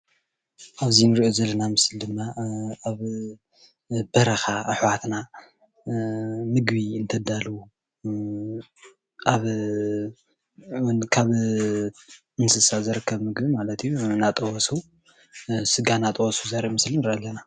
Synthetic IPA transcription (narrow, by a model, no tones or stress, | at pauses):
ʔaβzinɨɾʔozɐlːɐnamɨsɨld̪ɨmːaaβ | b̥ɐɾɐxaʔɨħwat̪na | mɨɡbiɨnt̪ʰɐd̪alu | ʔaβ | wnkʰaβ | ɨnsɨsazɨɾɨkʰːɐβmɨɡbimalɐt̪ʰijunat̪ʼɐwɔsu | sɨɡanat̪ʼɐwɔsuzɐɾmɨslinɨɾʔɐlːɐna